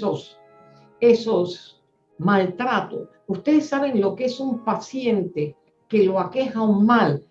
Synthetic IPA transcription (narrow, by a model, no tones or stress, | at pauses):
os | e̞sos | malt̪ɾat̪os | ust̪e̞ðesːaβe̞ŋlo̞kee̞sumpasje̞nt̪e | ke̞loake̞xauŋmal